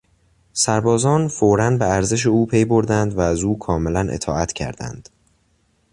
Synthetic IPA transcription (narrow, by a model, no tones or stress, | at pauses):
sæɾbɒːzɒːnfoːɾænbeæɾze̞ʃ̬euːpʰe̞jbo̞ɾd̪ænd̪væːzuːkʰɒːme̞lænʔḛt̪ʰɒ̰ːæt̪ʰcʰæ̰ɾd̪æ̰nd̪̥